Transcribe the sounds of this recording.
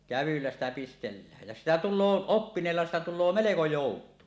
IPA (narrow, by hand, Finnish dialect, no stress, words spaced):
kæʋylːæs tæ pistelːæːj jæ sitæ tulˑoː opːineːlːɑ sitæ tulːoː meleko joˑutˑuin